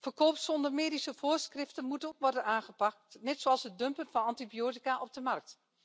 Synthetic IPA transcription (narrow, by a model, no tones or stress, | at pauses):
fərkoːpsɔndəɹmeːdisəvoːrsχrɪftənmutəokʋɔrdənaːχəpɑk̚tnɛtsoːɑlˠsət̚dɵmpənvɑnɑntibioːtikaʔɔb̚dəmɑrk̚t